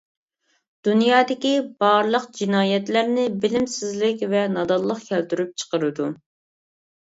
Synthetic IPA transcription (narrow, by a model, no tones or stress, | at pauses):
d̪̥unjɑːd̪ɪkʲibɑɾlˠəqd͡ʒinɑːjɛt̪læɾnɪbɪlɪmsɪzlɪkʲvɛnɑd̪ɑlˠːəqkʲʰɛlt̪yɾyp̚t͡ʃʰə̥qəɾɨd̪u